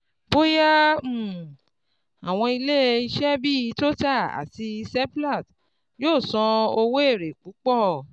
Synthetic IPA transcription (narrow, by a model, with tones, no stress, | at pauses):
bo˦ja˦˨ | a˨w̃ɔ̃˧i˧le˦i˧ʃɛ˦bi˦˨˧to˦ta˦˨a̰˨ti˧i˧sɛ˦pla˦˨t | joː˦˨sɔ̃˧o˧wo˦e˦˨ɾe˨k͡pu˨˦k͡pɔ˦˨